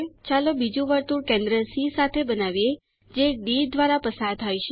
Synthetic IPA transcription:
t͡ʃalobid͡ʒũʋəɾt̪uɾkẽnd̪ɾəsisat̪ʰebənaʋje | d͡ʒeɖiɾd̪ʋaɾapəsaɾt̪ʰajt͡ʃʰe

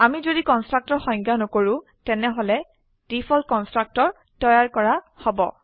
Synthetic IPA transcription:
amizodikɔnstɹak̚tɔɹxɔj̃ŋɡanokoɹʊ̃ | tɛnɛɦolɛ | d̥ipʰɔlkɔnstɹak̚tɔɹ | tɔjaɹkɔɹa | hɔbɔ̰

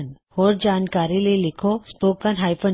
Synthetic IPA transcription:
nhoːɾd͡ʒaːnkaːɾilelɪkʰospoːkənɦaːɪpə

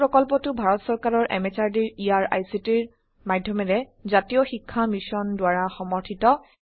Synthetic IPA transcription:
ɹɔkɔlpɔtʊbʱaɹɔtsɔɹkaɹɔɹʔɛ̰met͡ʃaɹdiɹiaɹa̰jsitiɹ | madʱjɔmɛɹɛzatijɔxikʰːamisɔndʊwaɹaxɔmɔɹtʰitɔ

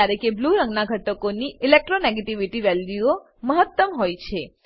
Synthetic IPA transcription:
aɾekebluɾəŋɡnaɡʱəʈəkoniilek̚ʈɾoneɡeʈiʋiʈiʋɛljuo | məɦət̪ːəmɦojt͡ʃʰe

